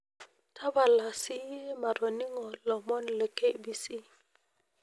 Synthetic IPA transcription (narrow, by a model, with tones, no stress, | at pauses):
tʰa˦ba˨la˨si˦ɛ˦ma˨ɾɔ˨ni˦ŋɔ˨lɔ˨mɔ˦nlə˨ke˦bi˨si˦